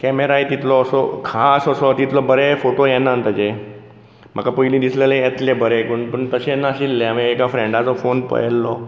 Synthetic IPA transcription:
kɛmeɾaet̪it̪lɔːsɔ̰kʰasəsɔt̪it̪lɔbəɾefoʈojɛnːaənt̪əd͡ʑe | m̤a̰kapəilĩd̪islelẽjɛt̪lebəɾekəɳpəɳt̪əɕeɛnːaɕilːeamiekafɾẽɳɖat͡sɔfonpə̰jɛlːɔ

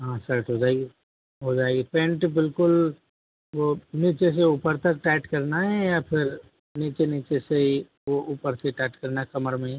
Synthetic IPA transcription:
ɦãsəɾʈɦod͡ʒaːɡe | ɦod͡ʒaːeɡepẽːɳʈbɪlkʊl | ʋoniːt͡ʃes̬euːpəɾt̪ɐk̚ʈɛːʈkɐɾnaɦɛjapʰɪɾ | niːt͡ʃeniːt͡ʃesei | ʋoʔuːpəɾseʈɛːʈkɐɾnakɐməɾmẽ

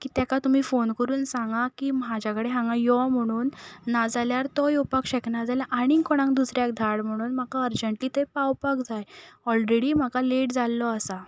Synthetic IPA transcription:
kit̪jakat̪um̤iːfonkəɾuːnsãŋɡakiːmad͡ʑjakəɽeɦãŋɡãjɔm̤əɽ̃uːnːad͡zaljaɾt̪ɔjɔpakɕəknad͡zaljaʔaɽ̃ikɔɽ̃ãŋk̚d̪usɾjakd̪ʱaɽm̤əɽ̃uːnm̤akaəɾd͡ʑəɳʈliːt̪əjpawpakd͡zajɔlɾeɽiːm̤akaleʈd͡zalːɔəsa

